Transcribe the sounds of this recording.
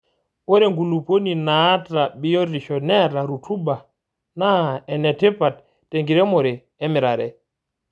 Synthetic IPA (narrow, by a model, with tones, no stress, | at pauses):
wɔ˦ɾɛŋɡulupo˦ninata˨ɓi˦jɔ˦ɾiʃɔnɛɾa˨ɾutʰu˦ba˨ | na˦ɛ˨nɛ˨tɛ˦patː | e˨ŋɡi˨ɾɛ˦mɔ˨ɾɛ˨ | ɛ˦mi˨ɾaɾɛ